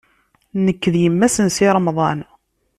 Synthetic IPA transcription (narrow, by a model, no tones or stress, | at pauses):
nəkːðjəmːæsənsiɾˤɑmɑðˤɑn